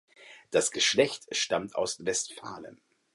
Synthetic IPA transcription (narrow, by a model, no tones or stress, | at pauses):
d̥asɡ̥əʃlɛçtʃtamta̰ʊsvɛstfa̰ːlə̰n